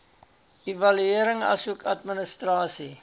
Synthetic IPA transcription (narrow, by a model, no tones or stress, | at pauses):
ivɐlyiəɾəŋɐ̰suəkʰɐtmənəstrɑːsi